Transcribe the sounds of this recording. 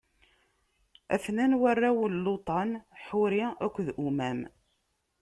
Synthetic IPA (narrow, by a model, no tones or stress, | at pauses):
æ̰fnænwərːawəlːot̪ˤɑnħʊɾiækʷːðʔumæm